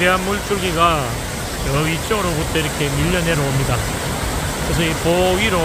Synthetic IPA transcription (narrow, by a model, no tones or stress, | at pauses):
deɦanmuɭt͡ɕ͈uɡiɡa | jʌit͡ɕ͈ʌŋɯɾobutʰʌiɾʌkʰe̞miʎːʌne̞ɾoomɲida | kɯɾes̬ʰʌipoɡiɾo